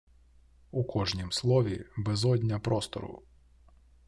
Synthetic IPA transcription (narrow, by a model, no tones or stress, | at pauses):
ukʰɔʒnʲimslˠɔʋʲibɛzɔdʲnʲɐpɾɔst̪ɔ̰ɾʊ̰